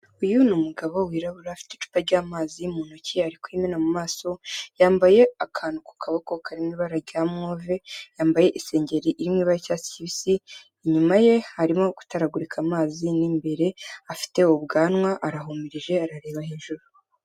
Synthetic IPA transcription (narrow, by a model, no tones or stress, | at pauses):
ujunumuɡaβowiːɾaβuɾaːfi̥tet͡ʃu̥paɾɟaːmaːzimuːnociaɾikwiminamumaːso̞jaːmbaje̞akʰaːnuku̥kʰaβakokʰaɾimŋiːβaɾaɾɟaːmŋo̞ːve̞jaːmbaje̞ʔise̞ːɲɟe̞ɾiʔiɾimŋiːβaɾacasi̥ciβisiː | ɲumaje̞haɾimoku̥taɾaɡuɾikʰamaːziniːmbe̞ɾe̞afi̥te̞oβɡaːnwaʔaɾaɦumiɾiʒe̞aɾaɾe̞ːβahiːnʒuɾu